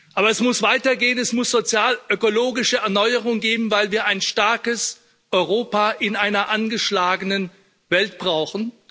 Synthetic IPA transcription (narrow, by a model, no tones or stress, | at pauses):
ʔaːbɐɛsmʊsv̥aɪtɐɡeːənɛsmʊsz̥ot͡sjaːlʔøkoloːɡɪʃəɛɐnɔʏəʁʊŋɡeːbm̩vaɪlviːɐaɪnʃtaɐkəs | ʔɔʏʁoːpaːʔɪnʔaɪnɐʔanɡəʃlaːɡənən | vɛltb̥ʁaʊxn̩